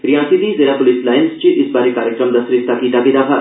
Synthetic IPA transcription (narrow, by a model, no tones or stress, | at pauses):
ɾijãːsid̪izelapolislaːjnst͡ʃiʔɪsbaːɾikaːɾjəkɾəmd̪ɐsɾɪst̪ʰːakit̪akid̪apʰa